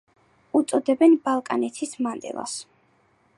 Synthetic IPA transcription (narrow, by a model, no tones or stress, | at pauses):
ut̪sʼɔd̪ɛbɛnbalˠkʼanɛt̪ʰismand̪ʼɛ̰lˠa̰s